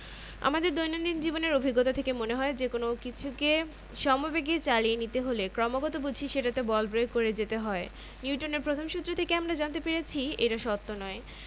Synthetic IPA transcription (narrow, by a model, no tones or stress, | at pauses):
a̰mad̪eɾd̪ojnond̪ind͡ʑiboneɾobʱiɡːɔt̪ot̪ʰekemoneɦɔed͡ʑekonokit͡ɕʰuke | ʃɔmobeɡet͡ɕalienit̪eɦolekɾɔmoɡɔt̪obud͡ʑʱiʃeʈat̪ebɔlbɾojkoɾed͡ʑet̪eɦɔe | nuuʈoneɾpɾot̪ʰomʃut̪ːɾot̪ʰekeamɾad͡ʑant̪epeɾet͡ɕʰiḛʈaʃɔt̪ːonɔe